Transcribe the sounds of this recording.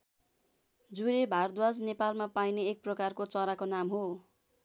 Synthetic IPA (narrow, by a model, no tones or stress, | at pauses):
d͡zuɾebʱard̪wad͡znepalmapajneːk̚prʌkarkot͡sʌɾakonamɦo